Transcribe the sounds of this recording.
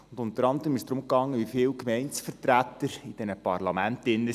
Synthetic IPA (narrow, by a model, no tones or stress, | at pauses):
ʊnd̥ʊnt̪əɾɑnd̪əɾəmɪsd̥̪ɾʊmkɑŋːəʋifɪːwkmɛɪnsfəɾtɾæt̪ːəɾid̥ɛnəpɑrlɑmæntɪnːə